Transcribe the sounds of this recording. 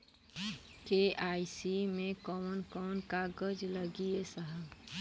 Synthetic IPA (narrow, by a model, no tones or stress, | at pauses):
keaːisimẽkɔnkɔːnkaɡəd͡ʒləɡiesəɦə